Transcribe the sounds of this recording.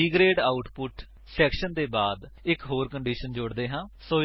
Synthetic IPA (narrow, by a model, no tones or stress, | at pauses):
iːɡɾeːɖaːʊʈpʊʈ | sɛːkʃənd̪eːbaːd̪ɪkɦoːɾkəɳɖiːʃənd͡ʒʊɽd̪eːɦãːsoː